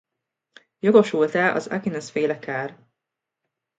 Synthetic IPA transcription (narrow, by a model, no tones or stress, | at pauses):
joɡo̞ʃult̪ɛːʔɒ̰za̰ɡinɛsfeːlɛkʰaːr